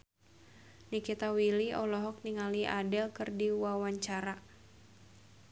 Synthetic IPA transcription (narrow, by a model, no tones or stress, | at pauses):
nikit̪awiliɔlɔɦɔk̚niŋaliʔadɛlkɨrdiwawaɲt͡ʃaɾa